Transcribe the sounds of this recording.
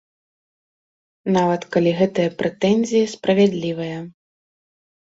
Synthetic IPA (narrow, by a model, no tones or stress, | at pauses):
navɐt̪kalʲiɣɛt̪ɐjɐpɾɛt̪ɛnʲzʲijɐspɾɐvʲɛd̪lʲivɐjɐ